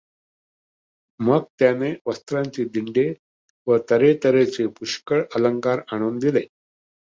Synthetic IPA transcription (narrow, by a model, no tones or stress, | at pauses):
məɡ̚t̪janeʋəst̪ɾaɲt͡ɕiːd̪iɳɖe | ʋət̪əɾet̪əɾet͡sepuʂkəɭələŋkaɾaɽ̃uːnd̪ile